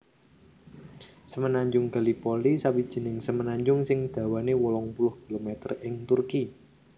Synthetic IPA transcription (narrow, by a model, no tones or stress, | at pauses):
səmənaɲd͡ʒʊŋɡa̤lipolisawid̥ʒ̥i̤nɪŋsəmənaɲd͡ʒʊŋsɪŋd̪̥ä̤wanewɔlɔŋpulʊhkilomɛt̪ərɪŋt̪urki